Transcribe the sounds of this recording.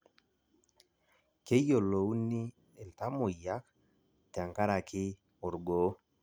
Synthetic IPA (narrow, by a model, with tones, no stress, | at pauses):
ke˦jo˨lo˨u˦ni˦ | ɛ˨lta˦mʊ˨ja˦k̚ | ta˨ŋka˦ɾa˨kɪ˦ | ʊ˨ɾɡoː˨˦